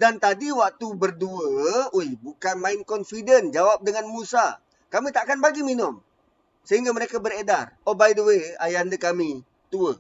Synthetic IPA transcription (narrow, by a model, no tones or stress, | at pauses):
dant̪adiwak̚t̪ubərduəojbukanmaɪnkɔnfidənd͡ʒawap̚dəŋanmusa | kamit̪aʔkanbaɡiminʊm | səɦiŋɡaməɾekabəredarobaidəwea̰jandəkami | t̪uə